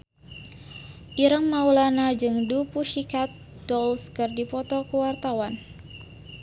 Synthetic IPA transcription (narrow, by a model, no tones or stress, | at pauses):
ʔiɾəŋːaulanad͡ʒɨŋdupuʃikat̪̚ | d̥ɔlskɨrdipɔt̪ɔkəwart̪awan